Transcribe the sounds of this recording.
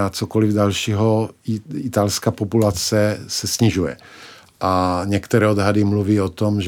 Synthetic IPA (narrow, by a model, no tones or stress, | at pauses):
at͡sokolɪvdalʃiɦo | ɪt̪alskaːpopulat͡sɛsɛsɲɪʒujɛ̰ | ʔaɲɛkt̪ɛɾɛːod̪ɦadɪmluviːot̪omʒ